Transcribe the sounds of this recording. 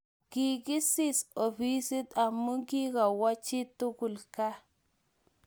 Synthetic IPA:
ki˨ɡi˦si˦so˨fi˦si˦ta˨mu˦ɡi˦ka˨wa˦t͡ʃi˦t̪u˦ku˨lka˦

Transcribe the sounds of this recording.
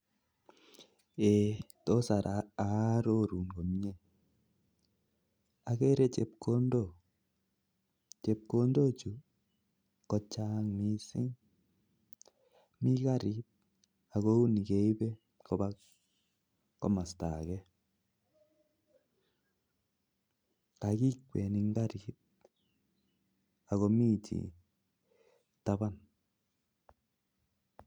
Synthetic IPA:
e˨ | to˦sa˨ɾaa˨ɾo˦ɾu˨ŋɡo˨mɲe˦ | a˨ke˦ɾe˦t͡ʃɛ˨p̚ko˦ndo˦˨ | t͡ʃe˨p̚ko˦ndo˦t͡ʃu˨ | kɔ˦t͡ʃa˦ŋmi˦sɪ̰˦ŋ | mi˦ka˦ɾi˦t̚ | a˨ɣo˧˦u˦ni˨ɡe˨˦jbɛ˦ | ko˨ba˦k | ko˦ma˨st̪a̰˨ɡɛ˦ | ka˨ɡi˦k̚we˨ni˧ŋɡa˦ɾi˨˦t̪̚ | a˨ɣo˧mi˦t͡ʃḭ˨ | t̪a˧ba˦n

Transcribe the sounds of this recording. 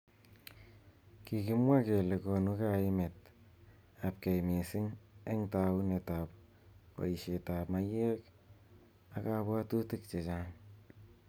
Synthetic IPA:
kikɪ˦mwa˦ke˨le˨konu˦kaɪmet̚ | ap̚ke˨jmi˨sɪ˦ŋe˦ŋta˨u˦neta˨p̚ | ka̰˨iʃeta˨pma˦je˦k | aka˦bwa˦tu˦tɪk̚t͡ʃe˨t͡ʃaŋ

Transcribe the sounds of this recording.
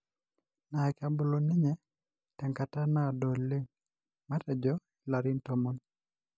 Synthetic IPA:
na˨ɛ˨ka˨bo˨lo˨nɪ˦ɲɛ˦ | tɛ˨ŋka˨ta˦na˦˨do˨lːɪ˦ŋ | ma˦tɛ˨d͡ʒɔ˦ | i˨la˨ɾɪ˦nto˦mo˦n

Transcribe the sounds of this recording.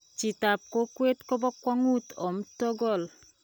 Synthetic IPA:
t͡ʃi˨ta˨p̚ko˦kwe˦tko˦bɔ˦kwɔ˦ŋu˦tɔ˨m̩˦tɔ˦ɡɔ˦˨l

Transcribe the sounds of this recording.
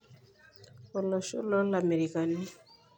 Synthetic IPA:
ɔ˨lɔ˨ʃṵ˦lɔ˦la˨me˨ɾi˨ka˨ni˦

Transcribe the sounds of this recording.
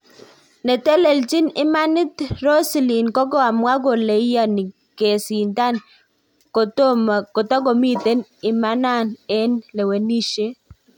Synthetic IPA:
ne˨t̪e˦le˨lt͡ʃi˦nɪ˦ma˦nɪ˦t̪ɾo˦sli˨nkɔ˦ɡɔ˦a˨mwa˦ɡo˨le˨i˦ja˦nɪ˨ | ke˨sɪ˨nta˦n | ko˨to˦mko˨t̪ɔ˦ɡo˨mi˦t̪e˦nɪ˨ma˦na˦˨ne˦nle˨we˨ni˦ʃe˦

